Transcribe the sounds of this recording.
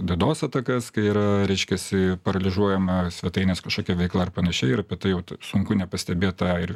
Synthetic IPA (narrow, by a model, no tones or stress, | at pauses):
d̪ʲiɛd̪oːsɐt̪ɐkɐskɐɪiːɾɐɾʲɛɪʃʲkʲɛsʲɪpɐɾɐlʲɪʒuɔjɛmɐsʲʋʲɛt̪ɐɪnʲeːskɐʃkoːkʲɛʋʲɛɪklˠɐɐrpɐnɐʃʲɛɪjɪɾɐpʲit̪ɐɪjɛʊt̪sʊŋkʊnʲɛpɐsʲt̪ʲɛbʲeːt̪ɑɪɾ